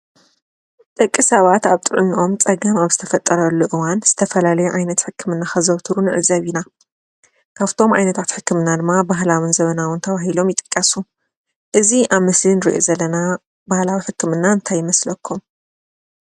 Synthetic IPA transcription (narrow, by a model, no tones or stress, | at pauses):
t̪ʼɐkʼːisɐβat̪aβt̪ʼɨʕɨniʔo̞mt͡sʼɐɡɐmaβzɨ̥t̪ʰɐfɐt̪ʼːɐɾɐlːuʔɨwanz̥ɨt̪ʰɐfɐlalɐjuʕajnɐt̪ħɨkʰːɨmɨnːaxɐzɐβt̪ʰɨɾunɨʕɨ̰zɐβina | kʰaβt̪ʰo̞mʔa̰jnɐt̪ʰat̪ħɨkːɨmɨnːad̪ɨmːabaɦlawɨnzɐβɐnawɨnt̪ʰɐβaɦilo̞mjɪt̪ʼɨkʼːɐsu | ʔɨziʔaβmɨslinɨɾḭʔo̰zɐlːɐna | bahlawiħɨkːɨmɨnːaɨnt̪ʰajːɪmɐslɐkʰːum